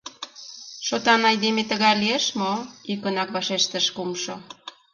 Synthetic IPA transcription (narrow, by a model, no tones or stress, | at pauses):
ʃot̪ɑnɑjd̪emet̪əɣɑlieʃmoikənɑkβɑʃeʃt̪əʃkumʃo